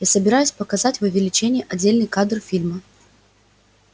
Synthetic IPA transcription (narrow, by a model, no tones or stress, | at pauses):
jasəbʲɪɾajʊsʲpəkɐzatʲvʊvʲɪlʲɪt͡ɕenʲɪjəʔɐdʲːelʲnɨjkad̪rfʲilʲmə